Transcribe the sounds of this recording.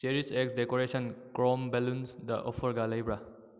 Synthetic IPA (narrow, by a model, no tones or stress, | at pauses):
seɾiseksdekoɾesənkɾɔmbelunsda̰ʔɔpʰəɾɡalajbɾa